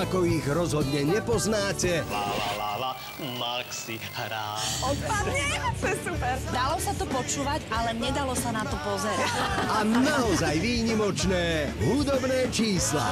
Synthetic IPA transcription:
akɔiɣɾɔzɦɔd̪ɲɛɲɛpɔznaːcɛ | maksi | hɾaːɔpad̪it̪ɔɛsupɛɾd̪alɔsat̪ɔpɔt͡ʃuːʋaɟalɛɲɛd̪alɔsanat̪ɔpɔzɛɾacanaɔzajʋiːɲimɔt͡ʃnɛːɦud̪ɔbnɛːt͡ʃiːsla̰

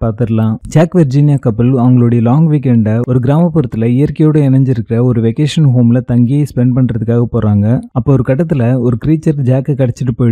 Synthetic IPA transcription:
paːɾt̪ɯɾɐlãːd͡ʒaːkʋɛɾd͡ʒiːnjaːkɐpːɪlɐʋɐŋɡɐɭoːɽɐjɐlaːŋɡʋiːkɛɳɖɔɾɯɡɪɾaːmɐpːʊɾɐt̪ːɪlɐɪjɐɾkɐjoːɽɐɛnɐɲd͡ʒɪɾɯkːɪɾɐɔɾɯʋekeːʂɐnɦoːmɪlɐt̪ɐŋɡɪjɐspɛɳɖ̚pɐɳːɾɐðɯkːaːɣɐpoːɾaːŋɡɐɐpːoːɔɾɯkɐʈ̬ːɐt̪ːɪlɐɔɾɯkɪɾiːt͡ʃːɐɾd͡ʒaːkːɐkɐɽɛt͡ʃːɪʈːɯpoːj

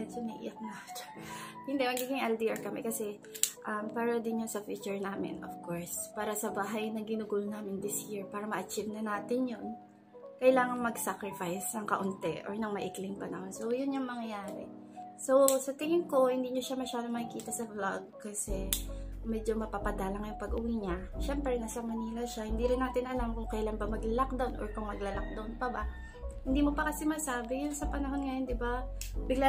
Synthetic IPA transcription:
ɛnsonɐʔḭːjɐk̚nat | hɪnd̪ɛmɐɡiːɡɪŋʔɛld̪iʔaɹkɐmɛ̰kɐsɛ | ʔɐmpaːɾɐd̪ɪnjʊnsɐfuːt͡ʃʊɹnaːmɪ̰nʔo̰fkoɹspaːɾɐsɐbaːɦɐjnɐŋɡɪnʊɡuːlonaːmɪnd̪ɪsjiɹpaːɾɐmɐʔɐt͡ʃivnɐnaːt̪ɪnjon | kɐjlaːŋɐŋmɐɡsakɹɪfajsnɐŋkɐʔʊnt̪ɛ̰ʔɔɹnɐŋmɐʔɪklɪŋpɐlɐŋsowjʊnjʊŋmɐŋɐjaːɾɛ̰ | sowsɐt̪ɪŋɪmko̞hɪnd̪iːɲoʃamɐʃaːd̪omɐkɪkiːt̪ɐsɐblaɡ̚kɐsɛmɛd͡ʒo̞mɐpapɐd̪aːlɐŋjʊŋpɐɡʔʊwiɲɐʃɛmpɾɛnɐsɐmɐniːlɐʃahɪnd̪iɾɪnːaːt̪ɪnʔɐlamkʊŋkɐjlanbɐmɐɡlɐlak̚d̪awnʔo̰ɹkʊŋmɐɡlɐlak̚d̪awnpɐba | hɪnd̪iːmo̞pɐkɐsɪmasaːbɪjʊnsɐpɐnɐɦo̞nŋɐjond̪ɪbabɪɡla

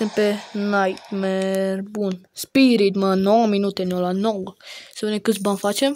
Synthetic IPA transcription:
empenajt̪merbunspiɾid̪mənːowəminut̪enolanowlsevenekɨt̪s̬ʲbanʲfat͡ʃem

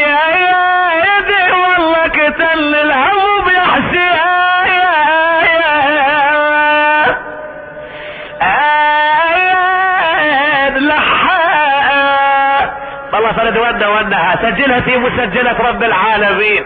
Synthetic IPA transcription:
aja | ad̪iwɑlˤːɑːkɪt̪alːɪlhawubjaħsiajaja | ja | nlaħa | ɑlˤːɑːfɑɾɪd̪wanːawanːahasad͡ʒːɪlhafiːmʊsad͡ʒːalatɾˤɑbːɪlʕaːlamiːn

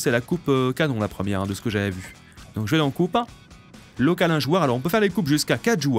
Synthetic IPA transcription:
sɛlakupkanɔ̃lapχəmjɛʁɛ̃d̪əsə̥kəʒavɛvy | d̪ɔ̃kʒəvɛd̪ɑ̃kup | lɔkalɛ̃ʒwœʁalɔʁɔ̃p̬øfɛʁlekupʒyskakat̪ʒuœ

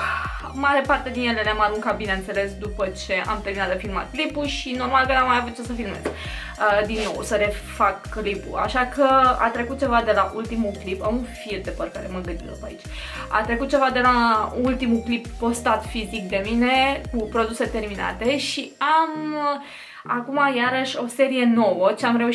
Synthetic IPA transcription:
maɾe̞part̪e̞d̪injelenamaɾuŋkabinent̪se̞le̞sd̪upət͡ʃe̞ʔa̰mt̪e̞rminat̪d̪efilma̰t̪̚klipuʃino̞rmalkənamːajavut̪̚t͡ʃesəfilmḛsk | əd̪inːo̞̰wsəɾe̞fakːlipṵa̰ʃakʰəa̰t̪ɾe̞kut̪̚t͡ʃe̞vad̪e̞laʔult̪imuklipamunfild̪epərkaɾeməɡ̪ənd̪id̪opa̰it͡ʃʲ | a̰t̪ɾe̞kut̪̚t͡ʃe̞vad̪e̞lault̪imuklipːo̞st̪at̪fizik̚d̪e̞mine̞kupɾo̞d̪use̞t̪e̞rmina̰t̪e̞ʃiam | akumajaɾəʃʲo̞se̞ɾije̞no̞wət͡ʃeamɾe̞uʃ

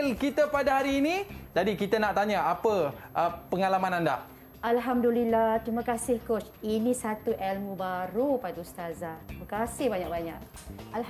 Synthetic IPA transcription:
lkit̪apadaɦaɾiːnid͡ʒadikit̪anaʔt̪aɲaapəʔəpəŋalamãnanda̰ʔ | ʔalɦamdulilaht̪ɾimãkasɪhkot͡ʃinĩsat̪uʔɛlmubaɾupadust̪azat̪ɾimãkasɪhbaɲak̚baɲak̚ | al

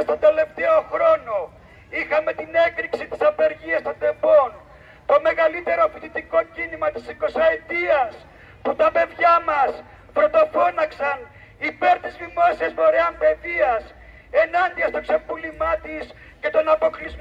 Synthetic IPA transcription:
st̪o̞nd̪e̞le̞ft̪eo̞xɾo̞no | ixɐme̞t̪ine̞kɾiksit̪i̥sɐpe̞ɾʝiɐst̪o̞nd̪e̞bo̞n | t̪o̞me̞ɣɐlit̪e̞ɾo̞put̪it̪iko̞cinimɐt̪isiko̞sɐet̪iɐs | put̪ɐpe̞ðʝɐmɐs | pɾo̞t̪o̞fo̞nɐksɐn | ipe̞ɾt̪izvimo̞siɐsmo̞ɾeɐmpe̞ðiɐs | e̞nɐnd̪iɐst̪o̞kse̞pulimɐt̪is | ce̞t̪o̞nɐpo̞kliz

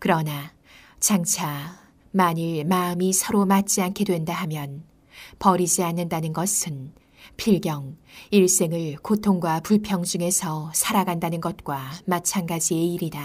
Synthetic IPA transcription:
kɯɾʌna | t͡ɕaŋt͡ɕʰa | maɲiɭmaɯmisʰʌɾomat̚t͡ɕ͈iankʰe̞dwe̞ndaɦamjʌn | pʌɾid͡ʑianːɯndanɯnɡʌsʰɯn | pʰiɭɡjʌŋiɭs͈e̞ŋɯɭkotʰoŋɡwapuɭpʰjʌŋd͡ʑuŋe̞sʰʌsʰaɾaɡandanɯnɡʌt̚k͈wamat͡ɕʰanɡad͡ʑie̞iɾida

